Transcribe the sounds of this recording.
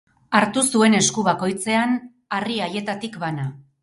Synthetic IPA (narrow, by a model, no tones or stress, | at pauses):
aɾt̪usue̞ne̞skuβako̞jt͡se̞an | ariaje̞t̪at̪ikβana